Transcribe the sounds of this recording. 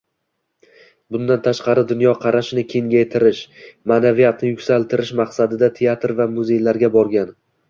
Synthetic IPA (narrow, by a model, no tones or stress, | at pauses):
bʊnd̪ant̪ʰaʃqɑɾɪd̪ʊnjɒqʰɑɾaʃnɪkʲʰeŋɡʲajt̪ʰɪɾɪʃmanavijat̪nɪjʊkʲsalt̪ʰɪɾɪʃmɑqsad̪ɪd̪at̪ʰe̞at̪ɾvamʊze̞jlaɾɡʲabɒɾɡʲan